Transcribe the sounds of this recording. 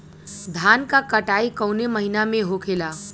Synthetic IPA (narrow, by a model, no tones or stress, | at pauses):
d̪ʱaːnkakəʈaːikəʊneməɦinamẽɦokʰela